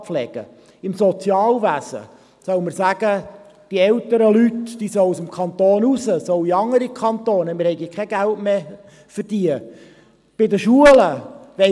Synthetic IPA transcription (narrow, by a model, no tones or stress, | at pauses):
flɛɡ̥ə̰ | ɪmsɔt͡sjɑːlʋæsə̰ | sœʊmərsæɡ̥ə | d̥iɛltəɾəlytd̥iːsœʊusəmkʰɑnt̪oːnusəsɔʊiɑŋəɾikʰχɑntoːnəmɪɾhɛɪɡikʰɛɡ̥æltme | fərd̥iːə | b̥ɪdəʃuələʋɛ